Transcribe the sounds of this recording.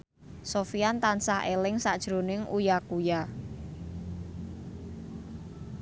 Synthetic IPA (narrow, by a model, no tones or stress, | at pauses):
sofiant̪ansahelɪŋsaʔd̥ʒ̥ɾonɪŋujakuja